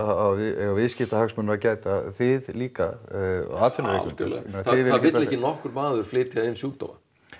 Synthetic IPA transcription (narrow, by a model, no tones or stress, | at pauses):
avɪɛɣawvɪðscɪht̪ahaksmʏnɾacaːjt̪aθɪðliːka̰ | aːt̪fɪnavɪːʏst̪ɛ̰l̰ɛnaθɪðvɪvɪt̪lɛcɪnɔhkʏɾmaːðʏɾ̥flɪːɾt̪ʰiaðɪnsuːt̪a̰ma̰